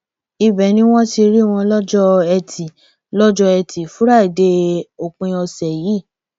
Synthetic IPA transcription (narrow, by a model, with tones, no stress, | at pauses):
i˧bɛ˨˦nĩ˦w̃ɔ̃˦ti˧ɾi˦˨w̃ɔ̃˧lɔ˦d͡ʒɔ˦ɛ˧tʰi˨ | lɔ˦d͡ʒɔ˧ɛ˧tʰi˨fũ˦ɾa˦˨i˨de˧˦o˨k͡pĩ˧ɔ˧sɛ˨jiː˨˦˨